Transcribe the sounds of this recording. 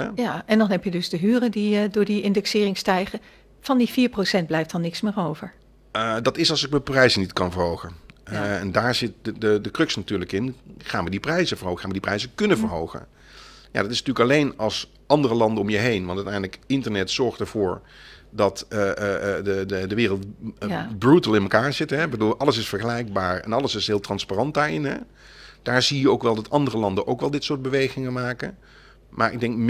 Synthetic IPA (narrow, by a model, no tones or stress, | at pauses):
jaɛndɑnɦɛpjədɵzdəɦyːrədiədʊːɹdiɪndɛksɪːrɪŋstɛjχə | v̥ɑndifiːɹprosɛnd̚blɛjftɑnːɪksmɪːɹowvəɹ | dɑtɪsɑlˠzɪk̚məprɛjzənitkɑnvəɹɦowχənɛndaːɹzɪt̚dədəkrøksnatyːɹləkɪnχaːnʋədiprɛjzəvəɹɦowəaːnʋədiprɛjzəkɵnəvəɹɦowχə̰n | ja̰ːdɑtɪsnatyːləkɑlejnɑlˠs | ʔɑndərəlɑndəɔmjəɦejnʋɑntœtɛjndələkɪntəɹnɛtsɔɹχtɛɹv̥ʊːɹ | dɑtəəədəʋɪːrəlˠt | brutəlˠɪnməkaːɹzɪtɦɛbəduːlˠʔɑlˠəsɪsfəɹχəlɛjk̚baːɹɛ̰nɑləsɪsɦɪːlˠtrɑnsparɑnt̚daːɹɪnɦɛ̰ | d̥aːɹzijəowkʋɛlˠdɑtɑndərəlɑndəʔowkʋɛlˠdɪtsʊːɹd̚bəʋejχɪŋəmaːkə̰ | mʔa̰ːɹɪ̰ɡ̚dɛŋkm